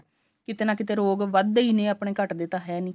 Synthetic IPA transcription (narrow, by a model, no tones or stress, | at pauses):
kɪt̪eːnãːkɪt̪̬eːɾoːɡʋəd̪iːnẽːaːpɳeːkəʈd̪eːt̪ãːɦɛːnĩː